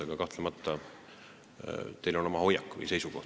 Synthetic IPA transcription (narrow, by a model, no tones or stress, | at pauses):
eɡ̥ɑkɑht̪lemɑt̪ːˑɑ | t̪e̞jlo̞no̞mɑho̞jːɑkːˑvɯ̰jse̞jsuko̞h